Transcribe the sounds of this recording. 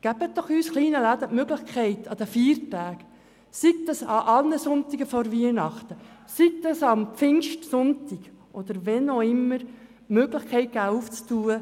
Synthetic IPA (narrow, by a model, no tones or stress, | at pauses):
ɡ̥æb̥ət̪̚d̥̪ɔχyːsχliːnəlæd̪əʔmøɡləχkʰɛɪt̪ʰɑd̥̪əfiːɾtæːk | siɡ̚d̪ɑsɑʔɑlnəsʊnt̪ɪɡəfɔɾviənɑχt̪ə | sikt̪ɑsɑmfɪnʃtsʊntɪɡ | ʔɔd̪əɾvɛnoɪmːəɾ | møɡləχkʰɛɪt̚ɡ̥æːuft͡stuːə